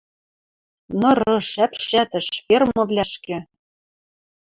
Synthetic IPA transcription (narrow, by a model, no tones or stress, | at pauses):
nɤ̆ɾɤ̆ʃæpʃæt̪ɘ̆ʃfermɤ̆vlʲæʃkɘ̆